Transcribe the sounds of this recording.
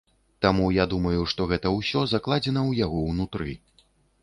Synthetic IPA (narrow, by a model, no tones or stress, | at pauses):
t̪amujad̪umɐjuʂt̪ɔɣɛt̪ɐwsʲɔzaklˠad͡zʲɛnɐwjaɣɔwnut̪ɾɨ